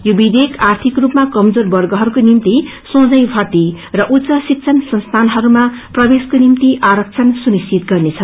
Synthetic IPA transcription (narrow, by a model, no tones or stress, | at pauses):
jobid̪ʱekʰart̪ʰikrupmakʌmd͡zorbʌrɡʌɦʌɾukonimt̪i | sõd͡zʌjbʱʌt̪i | rʌʔut̪sʌsik̚t͡sʰʌnsʌnst̪ʰanɦʌɾumaprʌbeskonimt̪iʔaɾʌk̚t͡sʰʌnsunist͡sit̪̚ɡʌrnet͡sʰʌ